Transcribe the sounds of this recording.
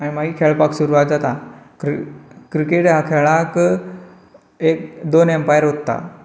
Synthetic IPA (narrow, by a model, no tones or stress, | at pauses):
aɽ̃imaɦiːkʰeɭpaksuɾuʋat̪̚d͡zat̪akɾkɾikeʈɦakʰeɭak | ek̚d̪onempajəɾɦot̪ːa̰